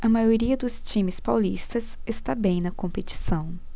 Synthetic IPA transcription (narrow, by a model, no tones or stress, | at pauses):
ɐmajoɾiɐd̪ʊst͡ʃĩmɪspawlist̪ɐsest̪abẽj̃nɐkõmpet͡ʃi̥sɐ̃w̃